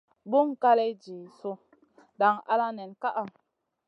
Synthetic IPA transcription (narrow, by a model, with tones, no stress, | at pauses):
bu˦ŋka˦le˦d͡ʒi˨su˦ | da˨ŋa̰˦la˦nɛ˨nka˦ʔa˨